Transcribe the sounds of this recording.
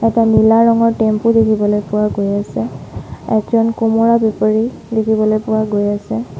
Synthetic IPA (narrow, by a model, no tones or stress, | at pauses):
ɛtanilaɹɔŋɔɹtempudekʰibɔlojpʊwaɡojasɛɛkzɔnkumɔɹabepaɹi | dekʰibɔlojpʊwaɡojasɛ